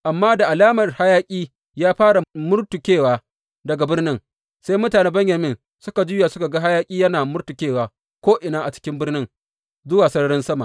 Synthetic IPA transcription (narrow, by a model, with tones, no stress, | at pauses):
ʔa˨mːaː˦da˨ʔa˨laː˦mɐ˨rha˦jaː˦kʲʼiː˦ | jaː˦ɸaː˦ɽa˨mʊ˦rtu˨kʲeː˦˨waː˨ | dɐ˨ɡa˨bɪ˦rnɪ˦ŋ | sa˦jmʊ˦taː˨neː˦bɐ˦ɲjɐ˨mɪ˦n | sʊ˦ka˨d͡ʒʊː˦ja˨sʊ˦ka˨ɡa˦ɦa˦jaː˦kʲʼiː˦jɐ˦naː˨mʊ˦rtu˨kʲeː˦˨waː˨ | kʷoː˦ʔɪ˨naː˦ʔa˨t͡ʃɪ̥˦kʲɪ˦mbɪ˦rnɪ˦ŋ | zʊ˦waː˨sɐ˦ɾɐ˦ɽɪ˦nsɐ˦ma̰˨ʔ